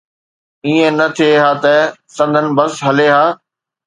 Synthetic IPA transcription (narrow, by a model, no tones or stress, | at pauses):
iːẽnɐt̪ʰieɦaːt̪ɐsɐ̃nd̪ʱənɪ̆bɐsɦɐleːɦaː